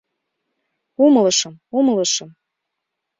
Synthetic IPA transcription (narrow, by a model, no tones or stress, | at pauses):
uməlɤʃə̆mumələʃɤm